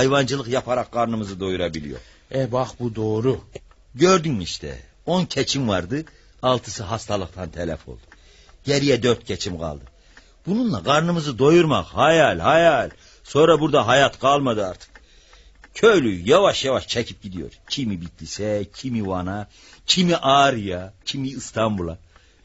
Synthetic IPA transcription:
hjvɑnd͡ʒɯlˠɯqjapʰaɾaqɡɑɾnɯmɯzɯd̪o̞juɾabilḭjo̰ɾ | ɛbɑχbud̪oːɾu | ɟø̞ɾd̪ynmiʃt̪ʰɛ̰ | o̞ncʰɛt͡ʃʰimvaɾd̪ɯ | ɑlˠt̪ʰɯ̥sɯɦɑst̪ʰalˠɯqt̪ʰant̪ʰɛlʲæ̰fo̞̰lˠd̪̥u | ɟ̥ɛɾijɛd̪øɾt̪̚cʰɛt͡ʃʰimɡɑ̰lˠd̪ɯ | b̥ununlˠaɡɑɾnɯmɯzɯd̪o̞juɾmaχhɑjalʲhajalʲ | so̞nɾabuɾd̪aɦajat̪ɡ̥alˠmad̪ɯaɾt̪ʰɯ̥k | cʰøjlʲyjavaʃjavaʃt͡ʃʰɛcʰip̚ɟid̪ijo̞̰ɾcʰimibit̪ʰlisɛcʰimivana | cʰimiʔaɾijacʰimiːst̪ʰambulˠa

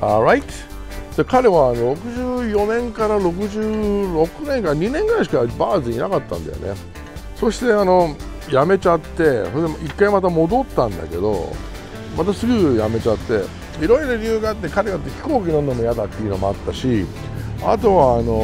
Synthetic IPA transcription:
aɾait̪ | d̪̥ekaɾe̞βaːno̞ɾo̞kɯ̟ʑɨːjo̞nẽ̞ŋkaɾaɾo̞kɯ̟ʑɨːɾo̞kɯ̟nẽ̞ŋkaɲ̟inẽ̞ŋɡãɕ̬i̥kabaːzɨɲinakat̪ːã̰nd̪a̰jo̰ne̞̰ | so̞ɕi̥t̪e̞ano̞ | jame̞t͡ɕat̪ːe̞sod̪eikːaimat̪̬amo̞d̪o̞t̪ːãnd̪a̰ke̞d̪o̞̰ | mat̪asɨɡɯjame̞t͡ɕat̪ːe̞̰ | iɾo̞iɾoɾʲɯːɡaːt̪ːe̞kaɾe̞ɡat̪ːeçi̥ko̞ːkʲinõnːo̞mo̞jad̪at̪ːeiɯ̟no̞moat̪ːaɕi | a̰t̪o̞βaːno̞

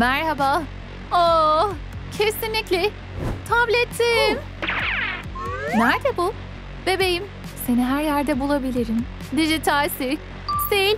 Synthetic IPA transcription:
mæɾɦabaː | o | cʰesinlʲiclʲɛ | t̪ʰablʲɛt̪ʰːi | næɾd̪ɛbu | bebejim | se̞niɦæɾjæɾd̪ɛbulˠabilʲiɾim | d̪iʒit̪ʰalʲsiɾc | sejilʲ

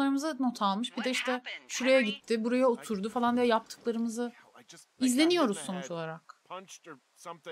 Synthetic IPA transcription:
aɾɯmɯzɯno̞t̪ʰalˠmɯʃbid̪ɛiʃt̪ʰɛʃuɾajaɟit̪ʰːɪbuɾajaot̪ʰuɾd̪ufalˠand̪ijɛjap̚t̪ʰɯ̥klˠaɾɯmɯzɯ | izlʲe̞nijo̞ɾuz̥so̞nut͡ʃo̞lˠaɾak

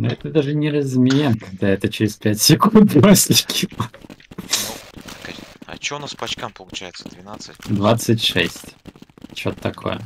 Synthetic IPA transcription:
noɛt̪əd̪aʐɨnʲɪɾəzmʲɪemkɐɡ̚d̪aɛt̪ət͡ɕɪɾʲɪspʲætʲsʲɪkund̪mosʲlʲɪkʲʰi | kaɐ̰t͡ɕɪonaspɐt͡ɕkampəlˠʊt͡ɕæjɪt̪səd̪vʲɪnat̪sɨtʲd̪vat̪sɨtʲʂɛ̰sʲtʲt͡ɕːot̪ət̪ːɐkʰo̞̰jə̰

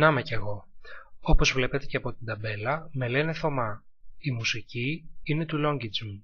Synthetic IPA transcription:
nɐmeceɣo̞opo̞zvle̞pe̞t̪e̞ceɐpo̞t̪ind̪ɐbe̞lɐme̞le̞ne̞θo̞mɐ | imusiciine̞t̪ulo̞ɲɟid͡zu

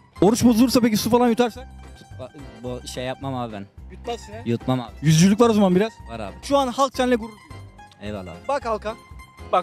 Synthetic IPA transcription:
o̞ɾut͡ʃbozuluɾsapec̬isufalˠanjut̪ʰaɾsakt̪ʰu̥abiʃɛjap̚mamaːbibæ̰njut̪̚masinɛjut̪mamajyzd͡ʒylʲyc̬ʲvaɾozamanbiɾaz̥vaɾa̰ːbʃuanhalˠk̚t͡ʃʰɛnlʲɛɡuɾulˠd̪uɛvalˠa̰bakalˠkabak

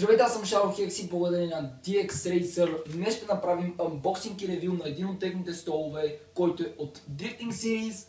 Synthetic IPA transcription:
ʒovɛt̪asɐmʃaɾoxʲɛksiblˠɐɡod̪ɐɾinɐd̪iɛksɾɛjsəɾnɛʃt̪ɛnɐpɾaviməbɔksiŋkiɾɛvilˠnɐɛd̪inot̪ːɛxnit̪ɛst̪ɔlˠovɛkɔjt̪oɛot̪d̪ɾift̪iŋksiɾis

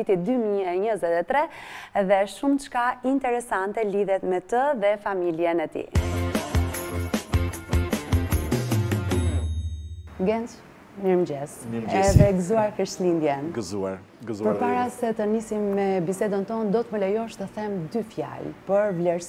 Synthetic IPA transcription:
it̪id̪ymiɛɲəzɛt̪ɛt̪ɾɛðɛʃumt͡ʃkaint̪ɛɾɛsant̪ɛliðɛt̪mɛt̪əðɛfamiljɛnɛt̪ḭ | ɡɛnt͡s | miɾmd͡ʒɛsɛðɛɡəzuaɾkəɾʃlind̪jɛnɡzuaɾ | zpəɾpaɾasɛt̪ənisimːɛbisɛd̪ənt̪ɔnd̪ɔt̪məlɛjɔʃt̪əθɛmd̪yfja̰lpəɾvlɛɾs

